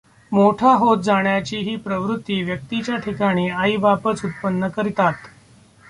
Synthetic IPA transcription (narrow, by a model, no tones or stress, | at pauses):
moʈʰaɦot̪̚d͡zaɳjat͡ɕiːɦiːpɾəʋɾut̪ːiːʋjək̚t̪it͡ɕjaʈʰikaɽ̃iːaiʋapət͡sut̪̚pənːəkəɾit̪at̪